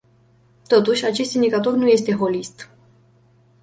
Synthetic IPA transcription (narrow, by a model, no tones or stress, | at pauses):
t̪o̞t̪uʃʲat͡ʃe̞st̪ind̪ikat̪o̞rnuje̞st̪e̞ɦo̞list̪